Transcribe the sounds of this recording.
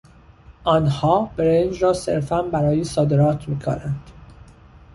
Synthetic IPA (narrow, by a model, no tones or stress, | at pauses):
ʔɒːnhɒːb̥eɾend͡ʒɾɒːse̞̰ɾfænbæɾɒːjesɒːd̪eɾɒːt̪ʰmiːkʰo̰nænd̪̥